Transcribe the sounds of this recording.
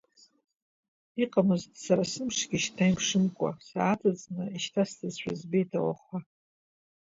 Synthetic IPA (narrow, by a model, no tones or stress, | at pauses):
iqʼamɨztʼsaɾasɨmʂɡʲiʃtʰajmʂɨmkʷʼa̰saːtʰad͡znɨiʃtʰastʰɨzʃʷᶣa̰zbejtʰawa̰χʷa